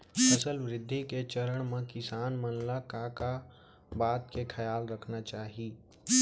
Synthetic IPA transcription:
ɐsəlʋɾɪd̪ʱːiket͡ʃəɾəɽ̃mẽkɪsaːnmənlakaka | baːt̪kekʰɐjaːlɾəkʰnat͡ʃaːɦiː

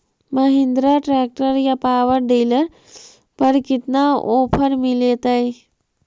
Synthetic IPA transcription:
məɦɪ̃nd̪ɾaʈɾɛːk̚ʈəɾjapaːʋəɾɖiːləɾ | pɐɾkɪt̪naoːpʰəɾmɪlet̪ae

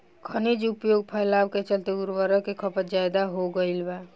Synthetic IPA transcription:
kʰənid͡ʒupjoɡ̚pʰəjlabket͡ʃəlt̪euɾʋəɾəkekʰəpət̪d͡ʒajd̪aɦoɡəilba

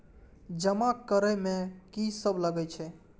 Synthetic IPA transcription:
d͡ʒəmakəɾəmẽkisəbləɡɛt͡ʃʰɛ

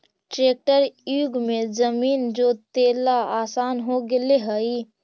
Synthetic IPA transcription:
ʈɾeːk̚ʈəɾjuːɡmẽzəmiːnd͡ʒoːt̪eːlaaːsaːnɦoɡɪleɦəi

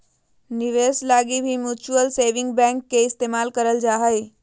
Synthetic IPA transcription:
niʋeslaɡibʱimjut͡ʃuəlseʋiŋɡbɛ̃ŋkːeɪst̪emalkəɾəld͡ʒaɦəj

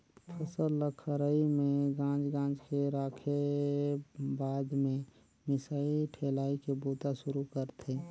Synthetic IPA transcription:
pʰəsəlːəkʰɾəimẽɡãːd͡ʒɡãːd͡ʒkeɾaːkʰe | baːd̪mẽ | mɪsaːilʈʰeːlaːikeboːt̪aʃʊɾukəɾt̪ʰe

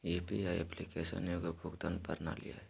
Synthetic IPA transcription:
epiaiɛplikesə̰njoɡəbʱʊɡd̪anpəɾna̰lija̰ɛ

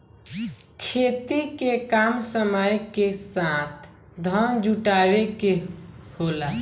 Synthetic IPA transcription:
kʰet̪ikekamsəməjkesat̪̚ʰ | d̪ʱənd͡ʒuʈaβekehola

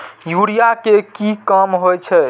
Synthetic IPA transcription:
juɾijakekikəmɦojt͡ʃʰɛ

